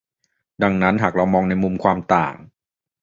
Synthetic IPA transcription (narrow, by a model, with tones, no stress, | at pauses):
da˧ŋna˦˥nɦaː˨˩k̚ɾa˧wmɔː˧ŋna˧jmu˧mkʰwaː˧mt̪a̰ː˨˩ŋ